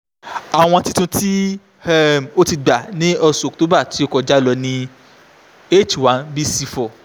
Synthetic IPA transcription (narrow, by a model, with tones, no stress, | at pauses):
a˨w̃ɔ̃˧ti˧tũ˧ti˦ | o˦ti˧ɡ͡ba˨nĩ˦ɔ˧su˨k̚to˨˦ba˦˨ti˨˦o˧kɔ˨d͡ʒa˨˦lɔ˧nĩ˧ | e˦˨t͡ʃwa˨˦nbi˦si˧fɔ˨